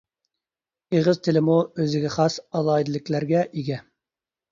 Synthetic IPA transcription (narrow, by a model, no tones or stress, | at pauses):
eʁɨzt̪ʰɪlɪmuøzɪɡʲɛχɑsɑlˠɑːid̪ɪlɪkʲlæɾɡʲɛʔiɡʲɛ